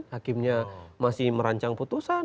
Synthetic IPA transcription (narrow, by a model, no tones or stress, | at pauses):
hakɪmɲamasɪhməɾaɲt͡ʃaŋput̪usa